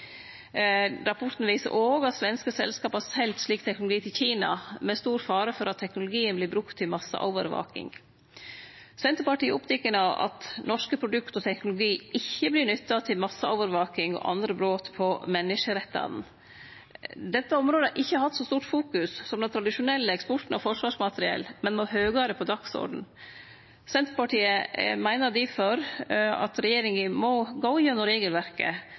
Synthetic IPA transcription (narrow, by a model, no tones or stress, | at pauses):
ɾɑpʰɔʈ̪n̩ʋiːsə̰ʔoːɡɑt̪sʋɛnskəsɛ̰lskɑːpɑsɛlt̪ʂɭiːk̚t̪ʰɛknʊlʊɡiːt̪ʰɪlçiːnɑ̰mɛst̪uːɾfɑːɾəfɔɾʔɑt̪ʰːɛknʊlʊɡiːənblɪbɾʉkt̪ʰːɪlmɑsə̰ʔɔ̰ʊʋə̰ɾʋɑ̰ːkɪ̰ŋ | sɛnt̪əɾpɑʈiːəʊpt̪ʰɛkːənɑɑ̰t̪nɔʂkəpʰɾʊd̪ʉkt̪ɔt̪ʰɛknʊlʊɡiːɪçːəblɪɳʏt̪ːɑt̪ʰɪlmɑsːəɔʊʋəɾʋɑːkɪŋɔ̰ʔɑ̰nd̪ɾəbɾoːt̪pʰɔmɛnːɪʂəɾɛt̪ːɑ̰nn̩ | d̪ɛt̪ːəɔmɾoːd̪əæʔɪçːəɑɾhɑt̪ːsɔst̪uːʈfuːkʉssɔmd̪ɛnt̪ʰɾɑd̪ɪʂʊnɛlːəɛkspɔʈn̩ɔfɔʂʋɑːʂmɑt̪əɾɪɛ̰lːmɛnmɔɦøːɡɑːɾəpʰɔd̪ɑksɔ̰ɾɖn̩ | sɛnt̪ɾəpɑʈiːəmæɪnəd̪ɪføɾɑ̰t̪ɾɛjeːɾɪŋəmɔɡɔʊjønʊɾeːɡəlʋæɾkə̰